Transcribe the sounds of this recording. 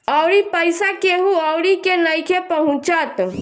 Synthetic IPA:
ɔʊɾipəjsakeɦũɔʊɾikenəjkʰepəɦũt͡ʃət̪

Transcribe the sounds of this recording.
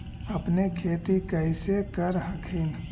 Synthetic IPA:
əpnekʰeːt̪ikəɪsekəɾɦɐ̃kʰin

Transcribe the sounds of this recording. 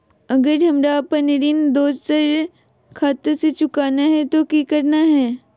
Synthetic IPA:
ɐɡəɾɦɐmɾapɐnɾiːnd̪oːd͡ʒsəɾ | kʰaːt̪set͡ʃʊkaːnaɦɛt̪okikəɾnaɦɛː

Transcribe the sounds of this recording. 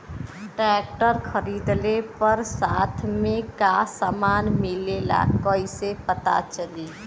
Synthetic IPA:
ʈɾɛːk̚ʈəɾkʰəɾiːd̪lepəɾsaːt̪ʰmẽkasaːmaːnmɪlela̰ːkoːisepət̪a̰t͡ʃəliː

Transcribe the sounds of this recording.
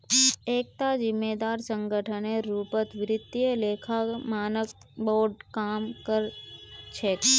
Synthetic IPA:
eːk̚t̪ad͡ʒɪmːeːd̪aːɾsə̃ŋɡəʈʰəneɾuːpət̪ʋɪɾɪd̪ieleːkʰamaːnəkboːɖkaːmkəɾt͡ʃʰek

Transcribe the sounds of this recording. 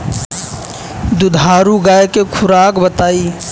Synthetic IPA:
d̪ʊd̪ʱaːɾuɡaːjkekʰʊɾaːkbət̪aːiː

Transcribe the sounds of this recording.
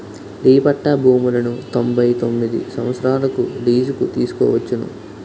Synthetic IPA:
liːpɐʈːɐbʱuːmulɐnut̪o̞mbʱɐjt̪o̞mːid̪ḭsɐʋ̃ɐt̪sɾaːlɐkuliːd͡ʒukut̪iːsu̥kɔ̰ːʋɐt͡ʃːunṵ

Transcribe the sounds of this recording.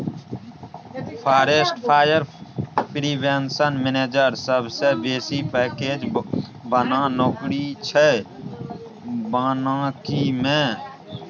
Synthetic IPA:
pʰaːɾeːsʈpʰaːjəɾpɾiːbensənmeːneːd͡ʒəɾsəbsebeːsipɛːkeːd͡ʒbənanoːkɾit͡ʃʰɛ | baːnãkimẽ

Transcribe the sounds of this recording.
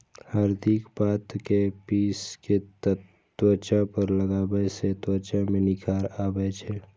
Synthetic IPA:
həɾd̪ɪkbaːt̪kepiːske | t̪wət͡ʃapəɾləɡaːbəset̪wət͡ʃamẽnɪkʰaːɾaːbɛt͡ʃʰe

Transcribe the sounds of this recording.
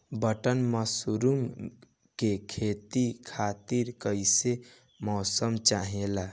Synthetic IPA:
bəʈənməsuɾum | kekʰet̪ikʰat̪iɾkəjse | mɔsəmt͡ʃaɦela

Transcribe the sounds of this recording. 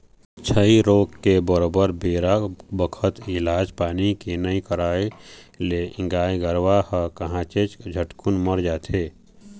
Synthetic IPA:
t͡ʃʰəiɾoːkkebəɾoːbəɾbeːɾabəkʰət̪ɪlaːd͡ʒpaːnikenəĩkəɾaːeleɪ̃ŋɡaːiɡəɾʋahəkəɦãt͡ʃet͡ʃd͡ʒʱəʈkunməɾd͡ʒaːt̪ʰeː

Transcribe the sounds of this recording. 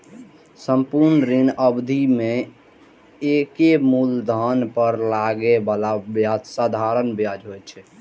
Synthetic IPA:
səmpuɾnɾinəbd̪ʱime | ekemuld̪ʱənpəɾlaɡebalabjad͡ʒsad̪ʱaɾənbjad͡ʒɦojt͡ʃʰɛ

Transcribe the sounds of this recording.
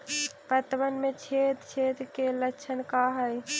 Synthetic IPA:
pət̪bənmet͡ʃʰet̪t͡ʃʰet̪keləkt͡ʃʰənkaɦəj

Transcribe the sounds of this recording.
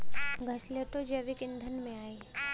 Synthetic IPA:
ɡʱɐʃleʈod͡ʒɐʋikɪ̃nd̪ʱənmẽaːeː

